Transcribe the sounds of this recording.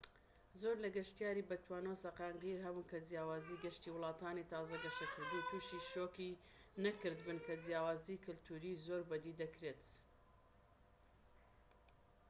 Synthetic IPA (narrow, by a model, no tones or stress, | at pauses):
zoːɾlɐɡɐʃt̪ijaːɾibɐt̪ʰwaːnosɐqɑːŋɡiɾɦɐbuːnkɐd͡zjaːwaːziːɡɐʃt̪iːwʊlˠɑːt̪aːnit̪ɑːzɐɡɐʃɐkʰɨɾd̪uːt̪ʰuʃiʃoːki | nɐkɨɾd̪bɨnkʰɐd͡zjaːwaːzikʰɨlt̪ʰuːɾiːzoɾbɐd̪iːd̪ɐkɾeːt̪